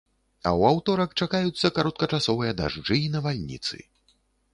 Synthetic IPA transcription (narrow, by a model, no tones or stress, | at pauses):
ɐ̰wawt̪ɔɾɐkt͡ʂakajut̪sːɐkaɾɔt̪̚kɐt͡ʂasɔvɨjɐd̪a̰ʐd͡ʐɨinɐvalʲnʲḭt̪sɨ̰